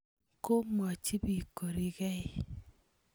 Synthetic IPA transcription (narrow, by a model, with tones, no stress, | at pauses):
ko˦mɔ˨t͡ʃi˦bi˨ko˨ɾi˨kɛ˦ɪ˦˨